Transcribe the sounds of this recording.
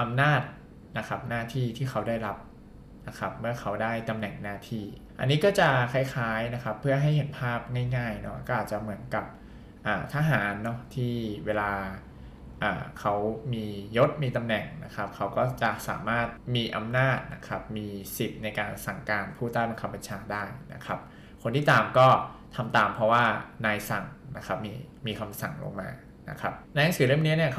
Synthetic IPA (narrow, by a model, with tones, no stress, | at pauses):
ʔa˧mnaː˥˩t̪̚ | na˦˥kʰa˦˥p̚naː˥˩t̪ʰiː˥˩t̪ʰiː˥˩xʰa˦˥wdaː˥˩jɾa˦˥p̚ | na˦˥kʰa˦˥p̚mɯ˥˩ɐkʰa˦˥wdaː˥˩jt̪a˧mnɛ˨˩ŋnaː˥˩t̪ʰiː˥˩ | ʔa̰˧nːiː˦˥kɔː˥˩t͡ɕa˨˩kʰa˧˩jkʰaː˦˥jna˦˥kʰa˦˥pʰːɯ˥˩ɐɦa˥˩jɦe˨˩˦npʰaː˥˩p̚ŋaː˥˩jŋaː˥˩jnɔ˦˥kɔː˥˩ʔaː˨˩t͡ɕa˨˩mɯ˩˦ənka˨˩p̚ | ʔaː˨˩t̪ʰa˧ɦaː˩˦nːɔ˦˥t̪ʰiː˥˩weː˧laː˧ | ʔa̰ː˨˩kʰa˦˥wmiː˧jo˦˥t̪̚miː˧t̪a˧mnɛ˨˩ŋna̰˦˥kʰa˦˥p̚kʰa˦˥wkɔː˥˩t͡ɕa˨˩ʔsa̰ː˩˦maː˥˩t̪̚miː˧ʔa˧mnaː˥˩t̪̚na̰˦˥kʰa˦˥p̚miː˧si˨˩p̪̚na˧jkaː˧nsa˨˩ŋkaː˧npʰuː˥˩t̪aː˥˩jba˧nkʰa˧ba˧nt͡ɕʰaː˧daː˥˩jna̰˦˥kʰɾa˦˥p̚ | kʰo˧nt̪ʰiː˥˩t̪aː˨˩mkɔː˥˩t̪ʰa˧mt̪aː˨˩mpʰɾɔ˦˥waː˥˩naː˧jsa˨˩ŋna˦˥kʰa˦˥p̚miː˧miː˧kʰa˧msa˨˩ŋlo̰˧ŋma̰ː˧ | na̰˦˥kʰɾa˦˥p̚na˧jna˦˥ŋsɯː˨˩˦ɾɯ˥˩əni˦˥ni˥˩ɐkʰ